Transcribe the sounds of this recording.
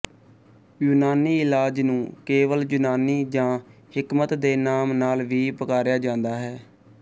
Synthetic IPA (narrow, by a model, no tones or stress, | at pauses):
juːnaːniːɪlaːd͡ʒnũːkeːʋəld͡ʒʊnaːniːd͡ʒãːhɪkmət̪d̪eːnaːmnaːlʋiːpəkaːɾjaːd͡ʒãːnd̪aːɦɛː